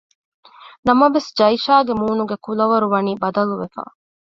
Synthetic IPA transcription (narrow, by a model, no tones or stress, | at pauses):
nɐmɐʋesd͡ʒɐiʃaːɡemuːnuɡekulɐʋɐɾuʋɐniːbɐd̪ɐluʋefa̰